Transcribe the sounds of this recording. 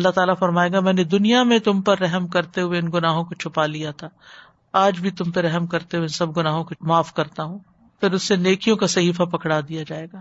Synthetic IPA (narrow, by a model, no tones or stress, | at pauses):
ɐlːaɦt̪aːlafɐɾmaːeːɡamɛ̃ːned̪ʊnijamẽt̪ʊmpɐɾːɛɦəmkɐɾt̪eɦʊeɪnɡʊnaːɦõkot͡ʃʰʊpalijat̪ʰaː | aːd͡ʒbʱit̪ʊmpeɾɛɦɛmkɐɾt̪eɦueɪnsɐb̚ɡʊnaːɦõkomaːfkɐɾt̪aɦũː | fɪɾʊsːeneːkʰijõkasɐɦiːfapɐkɽad̪ijad͡ʒaːeːɡaː